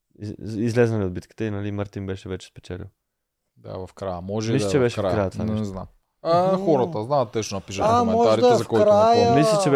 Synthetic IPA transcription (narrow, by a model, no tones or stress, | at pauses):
izlɛzɐliod̪̚bit̪ki̥t̪ɛinɐlimaɾt̪imbɛʃɛvɛt͡ʃɛ̥spɛ̥t͡ʃɛlḭ | d̪a̰vɐfkɾajəmɔʒɛiiʃt͡ʃɛbɛʃɛfakɾajət̪anɛzna̰m | axɔɾɐt̪ɐznat̪ːɛʃnonɐpiʃɐamɛɔʒaɾid̪t̪ɛzɐfkɔkiɾajəmislit͡ʃɛb